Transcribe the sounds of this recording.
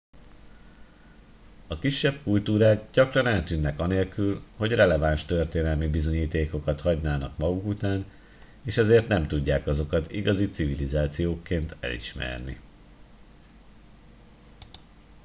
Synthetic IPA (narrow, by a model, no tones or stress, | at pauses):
ɒkiʃːɛb̥̚kult̪uːɾaːɡɟɒkrɒnɛlt̪yːnːɛkɒneːlkylho̞ɟrɛlɛvanʃt̪ørt̪eːnɛlmibizo̞ɲiːt̪eːko̞kɒt̪hɒɟnaːnɒkmɒɡukut̪aːn | eːʃɛzeːrt̪nɛmt̪uɟːaːkɒzo̞kɒt̪iɡɒzit̪sivilizaːt̪sijoːkːeːnt̪ɛ̰lḭʃmɛ̰rnḭ